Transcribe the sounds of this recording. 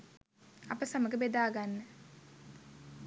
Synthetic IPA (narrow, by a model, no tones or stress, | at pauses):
apəsaməɡəbed̪aːɡanːə